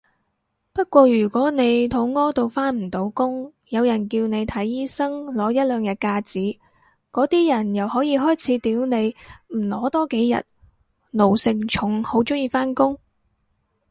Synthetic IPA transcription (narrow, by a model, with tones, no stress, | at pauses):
pɐ˥t̚kʷɔː˧jyː˨˩kʷɔː˨˥ne˨˧jt̪ʰʊ˨˥ŋŋɔː˥t̪o˨wfaː˥nm̩˨˩t̪o˨˥wkʊ˥ŋ | jɐ˨˧wjɐ˨˩nkiː˧wne˨˧jt̪ʰɐ˨˥jːiː˥sɐ˥ŋlɔː˨˥jɐ˥t̚lœː˨ŋjɐ˨t̚kaː˧t͡siː˨˥ | kɔː˨˥t̪iː˥jɐ˨˩njɐ˨˩whɔː˨˥jiː˨˧ɦɔː˥jt͡sʰiː˨˧˥t̪iː˨˥wne˨˧jm̩˨˩lɔː˨˥t̪ɔː˥ke˨˥jjɐ̰˨t̚ | no˨˩wsɪ˨ŋt͡ʃʰʊ˨˥ŋho˨˥wt͡sʊ˥ŋjiː˧faː˥nkʊ˥ŋ